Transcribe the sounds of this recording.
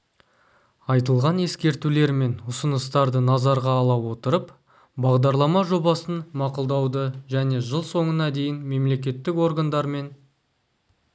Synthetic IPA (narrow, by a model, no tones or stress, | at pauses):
ɑjt̪əlˠʁɑne̞skʲe̞ɾt̪ule̞ɾme̞nʊsənəst̪ɑɾd̪ənɑzɑɾʁɑːlˠɑwo̞t̪əɾəp | bɑʁd̪ɑɾlˠɑmɑʒo̞bɑsənmɑqʊlˠd̪ɑwd̪əʒæne̞ʒəlˠso̞ɴənɑd̪e̞jɪnme̞mle̞kʲe̞t̪ːɪko̞ɾɡand̪ɑɾme̞n